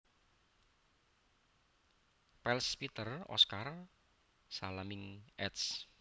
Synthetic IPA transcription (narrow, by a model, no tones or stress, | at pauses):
pɛlspit̪ərɔ̰skar | salamɪŋʔɛt̪s